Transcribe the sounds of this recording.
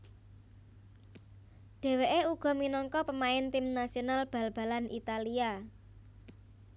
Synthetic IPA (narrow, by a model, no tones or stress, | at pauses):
ɖ̥e̤weʔeuɡ̥ɔ̤minɔŋkɔpəmaɪnt̪ɪmnasionalb̥a̤lb̥ä̤lanʔḭt̪alia